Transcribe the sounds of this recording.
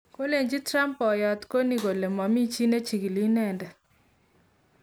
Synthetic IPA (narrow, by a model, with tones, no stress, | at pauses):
ko˦le˨ɲd͡ʒi˦tɾa˦mpɔ˨jɔ˨tko˦ni˨ɡo˨le˨ma˨mi˦t͡ʃi˦ne˦t͡ʃi˨ɡi˨li˦nɛ˦˨ndɛ˨